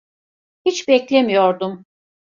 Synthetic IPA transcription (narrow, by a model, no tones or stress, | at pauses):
hit͡ʃbɛclʲemijo̞ɾd̪um